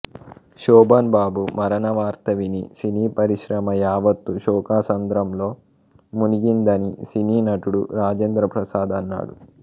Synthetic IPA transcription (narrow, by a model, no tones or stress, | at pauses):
ʃɔːbɐnbaːbumɐɾɐnɐʋaːɾt̪ɐʋinisiniːpɐɾiʃɾɐmɐjaːʋɐt̪ːuʃɔːkaːsɐnd̪ɾɐmlo̞ː | muniɡind̪ɐnisiniːnɐʈuɽuɾaːd͡ʒeːnd̪ɾɐpɾɐsaːd̪ɐnːa̰ːɽṵ